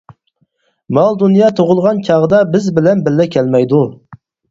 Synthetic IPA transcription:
mɑlˠd̪unjɑːt̪ʰoʁʊlˠʁɑnt͡ʃʰɑʁəd̪ɑbɪzbɪlɛnbɪlːɛkʲʰɛlmɛjd̪u

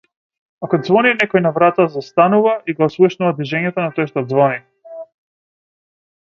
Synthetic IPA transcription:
akɔd̪zvɔninɛkɔjnavɾat̪azast̪anuvaʔiɡɔːslˠuʃnuvad̪viʒɛɲɛt̪ɔnat̪ojʃt̪ɔd̪zvɔni

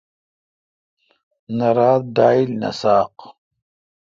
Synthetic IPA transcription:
nɐɾaːd̪̚d̪aːilnɐ̰saːq

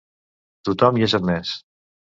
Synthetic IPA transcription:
t̪ut̪ɔmjaʒat̪mɛs

